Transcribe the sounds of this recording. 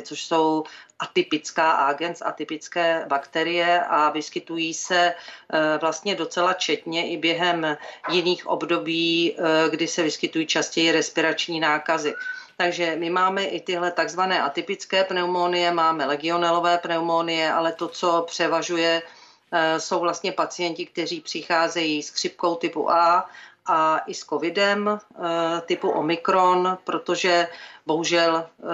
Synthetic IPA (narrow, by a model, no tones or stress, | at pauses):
t͡soʃso̞wʔat̪ɪpɪt͡skaːʔaːɡɛnsa̰t̪ɪpɪt͡skɛːbakt̪ɛɾɪjɛʔavɪskɪt̪ujiːsɛ | vlast̪ɲɛdo̞t͡sɛlat͡ʃɛt̪ɲɛʔɪbjɛɦɛmjɪniːxʔo̞̰bdo̞biːɡdɪsɛvɪskɪt̪ujiːt͡ʃascɛjɪɾɛspɪɾat͡ʃɲiːnaːkazɪt̪aɡʒɛmɪmaːmɛʔɪt̪ɪɦlɛt̪aɡzvanɛːʔat̪ɪpɪt͡skɛːpnɛumonɪjɛmaːmɛlɛɡɪo̞nalo̞vɛːpnɛumonɪjɛʔalɛt̪o̞t͡so̞pr̝̥ɛvaʒujɛ | so̞wvlast̪ɲɛpat͡sɪjɛncɪk̚t̪ɛr̝iːpr̝̥ɪxaːzɛjiːskr̝̥ɪp̚ko̞wt̪ɪpṵʔaʔaʔɪsko̞vɪdɛm | t̪ɪpuʔo̰mɪkɾo̞npɾo̞t̪o̞ʒɛbo̞ɦuʒɛl